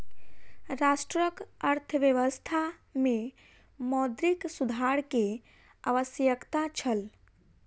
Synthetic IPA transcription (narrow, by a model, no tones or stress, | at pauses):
ɾasʈɾəkəɾt̪ʰəʋjəʋəst̪ʰamẽ | mɔd̪ɾiksud̪ʱaɾke | a̰ʋəsjəkt̪at͡ʃʰəl